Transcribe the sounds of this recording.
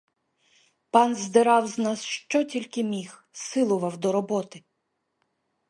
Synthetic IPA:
pɑnzd̪ɪɾɑwznɑsʃt͡ʃɔtʲilʲkɪmʲix | sɪlˠʊʋɐwd̪ɔɾɔbɔt̪ɪ

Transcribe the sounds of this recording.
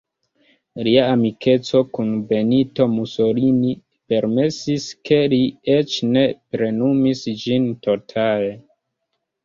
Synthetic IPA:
liaːmike̞t͡so̞kunbe̞nito̞muso̞ɾini | pe̞ɾme̞siske̞liet͡ʃne̞pɾe̞numisd͡ʒinto̞tʰale

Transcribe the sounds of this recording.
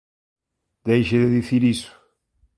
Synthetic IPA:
d̪ejʃeðɪðiθiɾisu̥

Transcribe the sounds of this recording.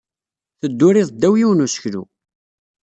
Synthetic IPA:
θəd̪ːʊɾiðˤd̪ːæwjiwnusə̥çlṵ

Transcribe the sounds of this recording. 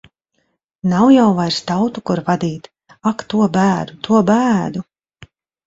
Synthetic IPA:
nawjawvajɾst̪awt̪ukuɾvad̪iːt̪ | akt̪uɔbæːd̪ut̪uɔbæːd̪u

